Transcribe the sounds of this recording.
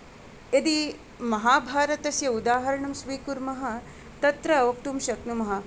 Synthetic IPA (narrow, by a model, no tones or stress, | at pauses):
ed̪i | mɐɦaːbʱaːɾɐt̪ɐsjɐud̪aːɦɐɾɐɳɐmsʋiːkuɾmɐɦɐ̆ | t̪ɐt̪ɾɐːʋɐk̚t̪umʃɐknumɐɦɐ